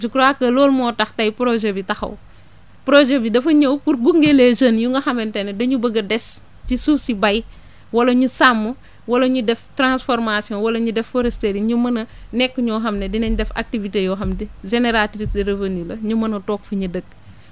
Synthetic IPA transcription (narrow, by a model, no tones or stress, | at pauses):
d͡ʒukɾakːɐlɔːlmɔːtɐxtɐjpɾoʒebitɐxɐ̰w | pɾoʒebidɐfɐɲɐwkuɾɡuŋɡeleːʒɐnjuŋɡɐxɐmɛntɛnɛdɐɲubəɡɐdɛs | t͡ʃisufsibɐj | wɐlɐɲusamːu | wɐlɐɲudɛftɾãnsfɔɾmasijɔ̃wɐlɐɲudɛfːoɾesteɾiɲumɐnɐnɛkːəɲɔxɐmnedinɐɲdɛfa̰k̚tivitejɔːxɐmdiʒeneɾatɾisdiɾevenulɐɲumɐnɐtɔːkfiɲɐdəɡ̚